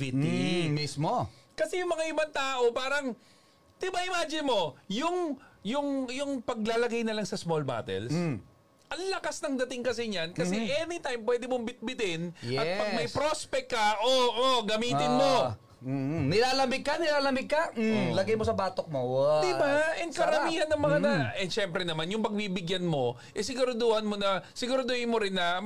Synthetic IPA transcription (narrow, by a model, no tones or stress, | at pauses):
it̪imismokɐsɛjʊŋmɐŋaʔɪbaŋt̪aːʔo̞paːɾɐŋ | t̪ɪbɐʔɪmaːd͡ʒɪnmo̞jʊŋjʊŋjʊŋpɐɡ̚laːlɐɡajnɐlɐŋsɐsmolba̰ːt̪ɛ̰ls | ʔɐŋlɐkasnɐŋd̪ɐt̪ɪŋkɐsɪɲankɐsɛʔɛnit̪ajmpwɛd̪ɪmombɪt̪̚bɪt̪ɪnjɛʔɐpɐɡ̚mɐjpɾospɛk̚kːɐʔoʔoɡɐmiːt̪ɪnmo | nɪlaːlɐmɪɡ̚kːɐnɪlaːlɐmɪɡ̚kɐlɐɡajmosɐbaːt̪ok̚mowd̪ɪbaʔɛŋkɐɾɐmiːhɐnːɐŋmɐŋanɐʔɛʃɛmpɾɛnɐmanjʊŋpɐɡ̚bibɪɡjanmo̞ | ʔɛsɪɡʊɾʊd̪oːhɐnmo̞nɐsɪɡʊɾʊd̪oːʔɪnmoɾɪnːɐ